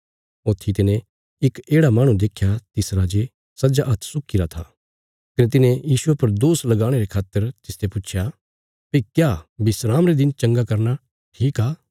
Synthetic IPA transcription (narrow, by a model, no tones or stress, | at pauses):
ot̪ʰːit̪ɪnẽ | ɪkeːɽamaːɽ̃ũd̪eːkʰjat̪ɪsɾad͡ʒe | sɐd͡ʒaʔɐt̪ʰsʊkːiɾat̪ʰa | kɐnet̪̬ɪnẽjiːsʊepɐɾd̪oːslɐɡaːɽ̃eɾekʰaːt̪ːəɾt̪ɪst̪ʰepʊt͡ʃʰja | pɐikjaːbɪsɾaːmɾed̪ɪnt͡ʃɐ̃ŋɡakɐɾna | ʈʰiːkaː